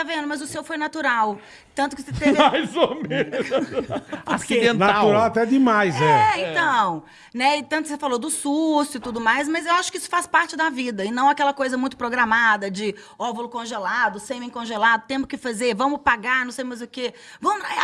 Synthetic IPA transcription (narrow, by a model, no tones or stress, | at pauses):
avẽnd̪ʊmɐzʊsewfojnat̪uɾaw | t̪ɐ̃t̪ʊkɪset̪evɪajzome | asid̪ẽnaauɾawat̪ɛd͡ʒ̪ɪmajzɛɛẽt̪ɐ̃w̃ | nɛɪt̪ɐ̃t̪ʊkɪsefalod̪ʊsusʊɪt̪ud̪ʊmajs̬mɐzewaʃʊ̥kɪisʊ̥faspaɾt͡ʃɪd̪ɐvid̪ɐɪnɐ̃w̃akɛlɐkojzɐmũj̃t̪ʊpɾoɡɾamad̪ɐd͡ʒɪ | ɔbʊlʊkõʒelad̪ʊsẽj̃mĩkõʒelad̪ʊt̪ẽmʊskɪfazeɾvɐ̃mʊpaɡaɾnɐ̃w̃sejmajzʊke | vɐ̃mʊa